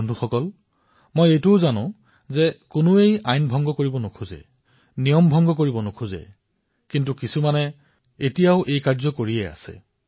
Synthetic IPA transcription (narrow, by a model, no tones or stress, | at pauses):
ndʱuxɔkɔl | mojejtʊʊzanʊ̰̃ | zɛkʊnʊejajnbʱɔŋɡɔkoɹibɔnokʰuzɛ̰ | nijɔmbʱɔŋɡɔkoɹibɔnokʰuzɛ̰ | kintukisumanɛ | etijaʊʔejkaɹzɔkoɹiɛa̰sɛ̰